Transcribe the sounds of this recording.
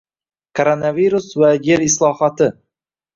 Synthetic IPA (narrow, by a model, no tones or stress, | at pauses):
kʰoɾonaviɾʊsvajeɾɪslˠɒhat̪ʰɪ